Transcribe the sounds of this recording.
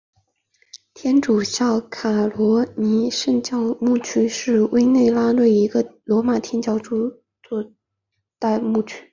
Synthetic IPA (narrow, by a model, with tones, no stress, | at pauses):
t̪ʰjɛ˥nʈ͡ʂu˨˩ɕjɑ˥˩ʊkʰa˨˩lwɔ˧˥ni˧˥ʂə˥˧ŋt͡ɕjɑ˥˧ʊmu˥˩t͡ɕʰy˥ʂɻ̩˥˧we˥ɪne˥˩ɪla˥lwe˥˩ɪi˧˥ɡə˧lwɔ˧˥ma˨˩t̪ʰjɛ˥nt͡ɕjɑ˥ʊʈ͡ʂu˥ | t͡swɔ˥˩ | t̪a˥˧ɪmu˥˩t͡ɕʰy̥˥